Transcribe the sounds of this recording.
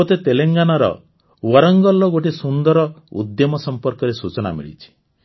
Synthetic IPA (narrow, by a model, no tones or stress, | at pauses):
ɔt̪et̪eleŋɡanaɾɔ̰ | wɔɾɔŋɡɔlːɔɡoʈesund̪ɔɾɔṵd̪jɔmɔsɔmpɔɾkɔɾesut͡ʃɔna̰mḭɭḭt͡ʃʰi̥